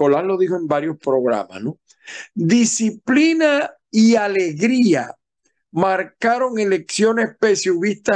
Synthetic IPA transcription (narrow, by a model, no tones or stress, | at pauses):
olalo̞ðihoe̞mbaɾjo̞spɾo̞ɣɾa̰ma̰sno | d̪isiplina | iale̞ɣɾia̰ | maɾkaɾo̞ŋe̞le̞ksjo̞ne̞spesjuβist̪a